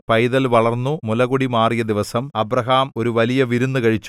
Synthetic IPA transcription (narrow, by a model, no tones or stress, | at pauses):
pɐjðɐlʋɐɭɐrnːumulɐɣuɽimaːrijɐd̪iʋɐsɐmɐbrɐɦaːmo̞ɾuʋɐlijɐʋiɾunːukɐɻit͡ɕːu